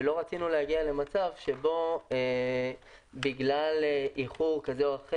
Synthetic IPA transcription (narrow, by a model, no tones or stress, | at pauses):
lo̞ʁat͡sinulehaɡiale̞mat͡savʃe̞bo̞e | biɡlaleʔiχuʁkazeoaχe